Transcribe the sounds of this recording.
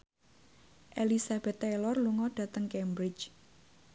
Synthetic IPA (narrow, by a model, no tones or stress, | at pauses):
ʔelisab̥ɛ̤t̪ːɛlɔrluŋɔɖ̥ä̤t̪əŋkɛmbɾɪt͡ʃ